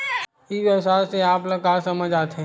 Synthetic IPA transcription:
iʋjəwsaːɾseaːplɐkaːɾsɐməd͡ʒaːt̪ʰẽ

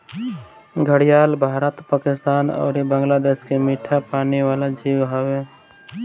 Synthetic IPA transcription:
ɡʱəɽijaːlbʱaːɾət̪paːkɪst̪aːnɔ̰ːɾibə̃ŋɡlaːd̪eːskemiʈʰapaːniʋaːlad͡ʒʱiːwɦowe

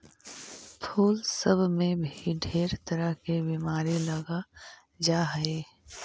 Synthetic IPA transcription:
pʰuːlsəbʱmẽbʱiɖʱeːɾt̪əɾəɦkebiːmaːɾilɐɡa | d͡ʒaːɦeː

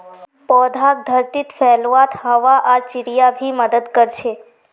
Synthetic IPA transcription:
pɔːd̪ʱak̚d̪ʱəɾt̪it̪fɛlʋat̪həʋaʔaɾt͡ʃɪɾijabʱiməd̪əd̪kəɾt͡ʃʰe

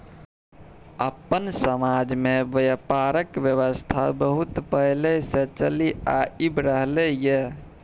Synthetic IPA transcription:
əpːənsəmaːd͡ʒmẽbəjəpaːɾəkʋjəʋəst̪ʰabəɦut̪pəɦleset͡ʃəliaibɾəɦleje

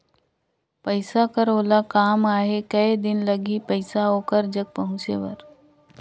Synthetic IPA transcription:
pəɪsakəɾoːlakaːmaːɦekəed̪ɪnləɡipəɪsaoːkəɾd͡ʒəɡ̚pəɦʊ̃t͡ʃḛʋə̰ɾ

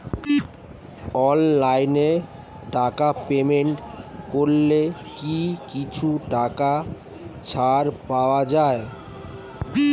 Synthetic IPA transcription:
ɔllajne | ʈakapemeɳʈkoɾlekikit͡ɕʰuʈaka | t͡ɕʰaɾpaoad͡ʑae

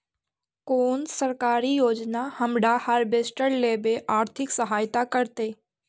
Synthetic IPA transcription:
koːnsəɾkaːɾijoːd͡ʒnahɐmɖahəɾbeːsʈəɾleːbeʔaːɾt̪ʰɪksəɦaːjt̪akəɾt̪eː

